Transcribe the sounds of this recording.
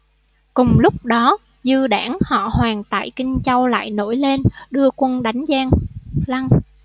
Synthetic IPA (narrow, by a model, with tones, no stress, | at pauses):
kʊ˨˩ŋ͡mlʊ˦˥k͡p̚ɗɔ˨˦ | zɨ˧əɗaː˧˩ŋhɔ̰˧˨hwaː˨˩ŋt̪a̰ː˧˨jkï˧ŋ̟t͡ɕa˧wla̰ː˧˨jno˧˥˩jle˧nɗɨ˧əkwə˧nɗa˨˦jŋ̟zaː˧ŋla˧ŋ